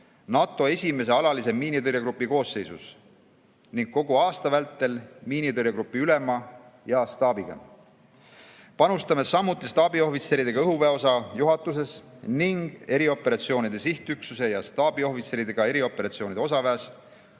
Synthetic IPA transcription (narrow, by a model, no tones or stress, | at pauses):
nɑt̪ːˑo̞e̞sʲime̞s̬e̞ɑlɑlise̞miːnit̪ɤɾjeɡɾupːˑiko̞ːsːe̞jsus | niŋɡ̥̚ko̞ɡuɑːst̪ɑvælt̪ːˑe̞lmiːnit̪ɤɾjɑɡ̥ɾupːˑiyle̞mɑ | jɑst̪ɑːb̥iɡ̥ɑ̰ | pɑnust̪ɑme̞sɑmːut̪ːˑist̪ɑːbio̞hvit̪se̞ɾid̪eɡɑɤɦuveo̞sɑjuɦɑt̪ːˑus̬e̞sniŋɡ̥e̞ɾio̞pːe̞ɾɑt̪sio̞ːnid̪̥e̞siht̪yksuse̞jɑst̪ɑːb̥io̞hvit̪se̞ɾid̪e̞ɡ̥ɑe̞ɾio̞pːˑe̞ɾɑt̪sio̞ːnid̪e̞o̞sɑvæːs